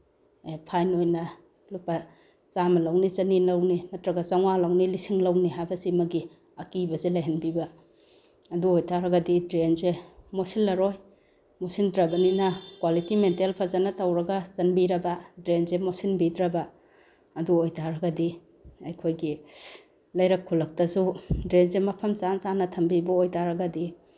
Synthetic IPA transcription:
epʰajnojnɐ | lupɐ | t͡ʃamɐlawnit͡ʃɐninawnimɐtɾɐɡɐzaŋwalawnilisiŋlɐwniɦajbɐsimɐɡi | ɐkibɐzelajɦanbibɐ | ɐduojtʰaɾɐɡɐdidɾenzemosilːɐɾoj | mosindɾɐbɐninɐkwalitimentelpʰɐzanɐtɐwɾɐɡɐzɐnbiɾɐbɐdɾenzemosinbidɾɐbɐ | ɐduojtʰaɾɐɡɐdi | ɐjkʰojɡi | lɐjɾɐkʰːulɐk̚tɐsudɾenzemɐpʰɐmzanzanɐtʰɐmbibɐojtaɾɐɡɐdi

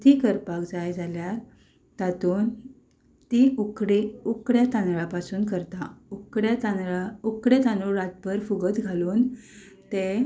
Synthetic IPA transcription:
t̪ʰikəɾpakd͡zajd͡zalja | t̪at̪uːn | t̪iukɽeukɽjat̪ãnɾapasuːnkəɾt̪aukɽat̪anaukɽjet̪ãnuɾat̪̚bəɾfuɡət̪ɡʱaluːn | t̪e

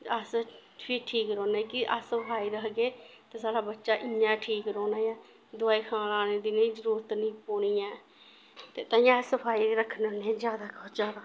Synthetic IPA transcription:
əs | pʰɪːʈʰiːkɾɔːnaːkɪʔəsəpʰaːiːɾəkɡeː | t̪ãːsaːɽaːbətːʃaːʔɪãːʈʰiːkɾɔːnaːjaː | d̪ʊaːiːkʰãːlaːneːd̪iːnẽiːzəɾuːɾət̪nĩːpoːɽijãː | t̪eːt̪ãːĩãːsəpʰaːiːɾəkʰːnənẽzjaːd̪aːɡɔːt̪zjaːd̪aː

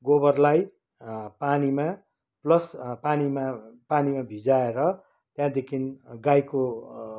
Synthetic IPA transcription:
ɡoβʌrlaj | panima | plʌspanimapanimabʱid͡zaeɾʌ | t̪jãd̪ekʰinɡajko

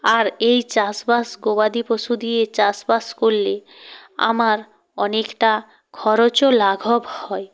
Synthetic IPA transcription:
aɾejt͡ɕasbasɡobad̪ipoʃud̪iet͡ɕasbaskolːe | a̰maɾ | ɔnekʈa | kʰɔɾot͡ɕolaɡʱobhɔe

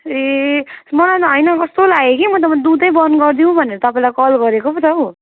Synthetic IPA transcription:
e | mʌlat̪ʌɦʌjnʌkʌst̪olaɡekimʌt̪ʌpad̪ud̪ʌjbʌnɡʌrd̪iũbʱʌneɾʌt̪ʌpaĩlakʌlɡʌɾekopʌt̪ʌ

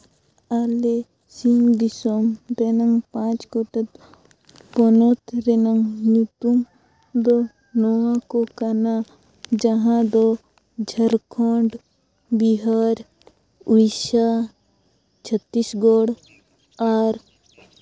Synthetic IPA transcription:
aːle | siŋd̪isomɾenɐŋɡpãːt͡ʃkoʈɐt̪ | ponot̪ɾenəŋnut̪um | d̪o | noakokɐna | d͡ʒɐɦãd̪o | d͡ʒʱɐɾkʰoːɳɖ | biɦaːɾ | uiʃa | t͡ʃʰət̪ːisɡoːɽ | aːɾ

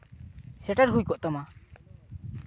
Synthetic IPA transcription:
sɛʈaɾɦujkɔʔt̪ɔma

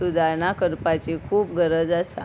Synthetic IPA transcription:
ud̪aɾɳakəɾpat͡ɕekʰuːp̚ɡʱəɾəd͡zasa̰

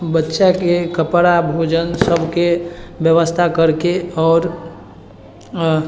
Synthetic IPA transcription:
bətːʃakekəpɾabʱoːd͡ʒənsəbʱkebjəʋəst̪ʰakəɾkeɔːɾ

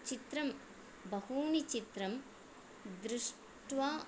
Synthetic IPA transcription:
t͡ʃit̪ɾɐm | bɐhuːnit͡ʃit̪ɾɐm | d̪ɾɪʂ | ʈʋaː

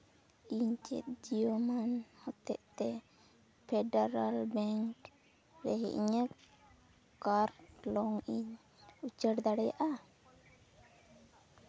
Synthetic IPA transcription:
iɲt͡ʃɛ̰t̪̚d͡ʒijomanhɔt̪ɛʔt̪ɛ | pʰɛɖaɾalbɛŋk | ɾɛ̰ɦɛʔḭɲə | kaɾlɔŋiɲ | ut͡ʃəɽd̪aɽɛja̰ʔa

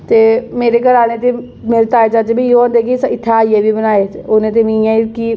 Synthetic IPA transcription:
t̪eːmeːɾekəɾaːnet̪e | mɪlt̪aːet͡ʃat͡ʃebʱijod̪ekisɪt̪ʰːajebʱibənaːeonẽt̪̬emĩːjãiki

